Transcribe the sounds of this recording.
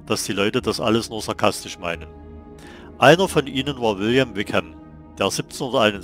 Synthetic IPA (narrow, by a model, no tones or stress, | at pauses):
d̥asd̥iːlɔʏtədasʔa̰ləsnuːɐz̥aɐkʰastɪʃma̰ɪnən | ʔaɪnɐfɔnʔiːnənvaːɐvɪljɛmvɪkhɛm | d̥eːɐz̥iːp̚t͡sɪn̩ʊndɐtaɪnʊn